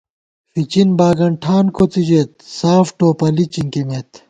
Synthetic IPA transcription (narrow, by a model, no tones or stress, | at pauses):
fit͡ɕinbaːɡɐɳʈʰaːnkot͡sid͡ʑet̪̚saːfʈoːpɐlit͡ɕiŋkimet̪